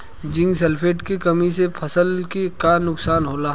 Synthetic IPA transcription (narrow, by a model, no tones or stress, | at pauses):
d͡ʒɪ̃ŋɡsɛlpʰeːʈkikɐmisepʰɐsəlkekanʊksaːnɦoːlaː